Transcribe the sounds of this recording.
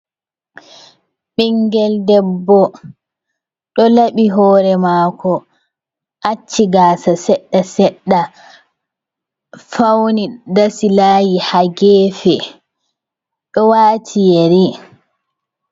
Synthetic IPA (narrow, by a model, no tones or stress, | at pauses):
ɓiŋɡɛldɛbːɔ | ɗɔlaɓiɦɔːɾɛmaːkɔ | ʔat͡ʃːiɡaːsasɛɗːasɛɗːa | fawnidasilaːjihaɡɛːfɛ | ɗɔwaːtʰijeɾi